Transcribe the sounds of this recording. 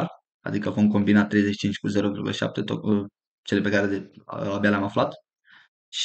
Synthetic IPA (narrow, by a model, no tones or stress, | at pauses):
r | a̰d̪ikəfom̚ko̞mbinat̪t̪ːɾe̞jzeʃi̥t͡ʃint͡ʃʲkuze̞ɾoviɾɡulə̰ʃa̰p̚t̪et̪o | t͡ʃe̞lepe̞kaɾed̪eabjaleamaflat̪ | ʃ